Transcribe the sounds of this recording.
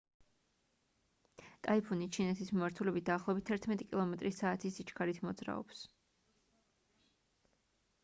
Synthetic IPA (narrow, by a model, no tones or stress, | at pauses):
t̪ʼaipʰunit͡ʃʰinɛt̪ʰismimaɾt̪ʰulɛbit̪̚ʰd̪aːχlˠɔbit̪ʰːɛɾt̪ʰmɛt̪ʼikʼilˠɔmɛt̪ʼɾisaːt̪ʰisit͡ʃkʰaɾit̪ʰmɔd̪zɾa̰ɔ̰ps